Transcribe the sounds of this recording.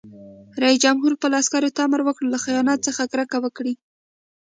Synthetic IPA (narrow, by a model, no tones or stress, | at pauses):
ɾɑisd͡ʒamɦuɾpəlɑskɑɾot̪aaməɾwəkɽlaxijɑnɑt̪̚t͡səxakɾakawəkɽi